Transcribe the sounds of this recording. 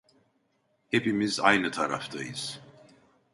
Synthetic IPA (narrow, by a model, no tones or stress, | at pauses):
hepimiza̰jnɯt̪ʰaɾa̰ft̪ʰajɯ̰z̥